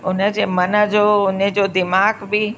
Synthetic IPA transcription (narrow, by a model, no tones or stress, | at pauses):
ʊnəd͡ʑeːmɐnə̆d͡ʑoːʊnəd͡ʑoːd̪ɪmaːɡbɪ